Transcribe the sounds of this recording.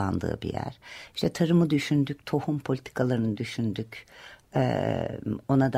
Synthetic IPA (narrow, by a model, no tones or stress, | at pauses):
a̰nd̪ɯ̰ːbḭjæ̰ɾ̥iʃt̪ʰɛt̪ʰaɾɯmɯd̪yʃynd̪ycʲt̪ʰo̞humpʰolʲit̪ʰi̥kʰalˠaɾɯnɯd̪yʃynd̪ycɛ̰ | o̞nad̪